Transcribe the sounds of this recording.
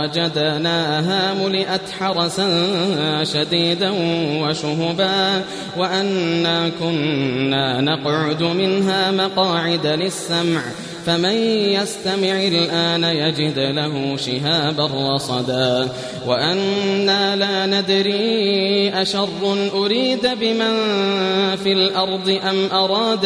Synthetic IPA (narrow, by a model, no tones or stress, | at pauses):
ad͡ʒad̪naːɦaːmʊlɪʔat̪ħɑɾˤɑsa | ʃad̪iːd̪anwaʃʊɦʊbaː | waʔanːaːkʊnːaːnɑqʕʊd̪mɪnɦaːmɑqɑːʕɪd̪alɪsːamʕ | famɪnjast̪amɪʕalʔaːnajad͡ʒɪd̪laɦʊʃɪɦaːbarˤːɑsˤɑd̪aː | waʔanːaːlaːnad̪ɾiːʔaʃɑrˤːʊnʔʊɾiːd̪bɪman | filʔɑɾˤd̪ˤɨʔamʔɑɾˤɑːd̪